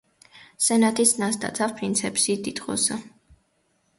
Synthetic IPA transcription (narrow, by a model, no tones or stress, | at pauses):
sɛnat̪ʰisnasd̪ʰʼa̰t̪sʰafpʰɾint̪sʰɛpsid̪it̪ʼqʼɔ̰sa